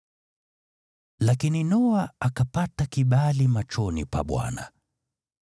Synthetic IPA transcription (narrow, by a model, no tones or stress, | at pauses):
lakininɔaakapatakiɓalimat͡ʃɔnḭpa̰ɓwa̰na̰